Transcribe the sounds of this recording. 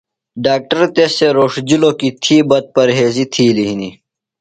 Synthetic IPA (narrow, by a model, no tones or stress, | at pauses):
ɖaːk̚ʈəɾt̪eseɾoːʂd͡ʑilokit̪ʰiːbɐt̪̚pɐɾɦeːzit̪ʰiːliɦini